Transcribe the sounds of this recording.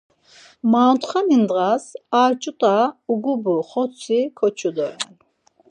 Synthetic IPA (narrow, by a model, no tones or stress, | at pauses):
maːnt̪ʰχanind̪ʁasaːɾt͡ʃʼut̪ʼauɡubuχɔt͡sʰikʰɔt͡ʃʰud̪ɔɾɛ̰n